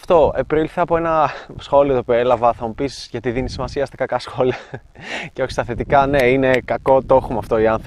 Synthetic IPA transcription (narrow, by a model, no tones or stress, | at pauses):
ft̪o̞epɾilθeɐpoe̞nɐsxo̞liot̪opielɐvɐθɐmupisʝɐt̪iðinit̪isimɐsiɐst̪ɐ̥kɐkɐsxo̞liɐ | ceoçi̥st̪ɐθet̪ikɐneine̞kɐko̞t̪o̞xomɐːft̪o̞iɐnθɾ